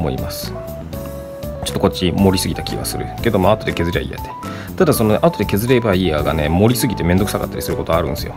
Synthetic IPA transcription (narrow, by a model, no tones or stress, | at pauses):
mo̞ḭmasɨ̥ | t͡ɕo̥t̪ːokot͡ɕːimo̞ɾʲisɨɡʲit̪akʲʰḭɡa̰sɨɾɯ̟̰ke̞d̪o̞maːt̪od̪e̞ke̞zɨɾa̰ḭja̰t̪e̥ | t̪ad̪aso̞no̞neʔat̪o̞d̪eke̞zɨɾe̞baiaɡa̰ne̞mo̞ɾʲisɨɡʲit̪e̞me̞nd̪o̞kɯ̥saka̰t̪ːaɾʲisɨɾɯ̟ko̞t̪o̞aɾɯ̟̃ñsɨjo̞